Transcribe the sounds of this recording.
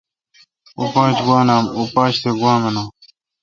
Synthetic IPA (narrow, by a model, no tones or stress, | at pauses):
upãːt͡ʃɡwaːnaːmupãːt͡ɕt̪ʰeɡwãːmɐnaː